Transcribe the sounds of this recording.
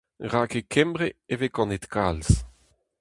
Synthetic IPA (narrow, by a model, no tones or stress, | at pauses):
ʁaːkekʰɛ̃mbʁeevekɔ̃net̪kʰals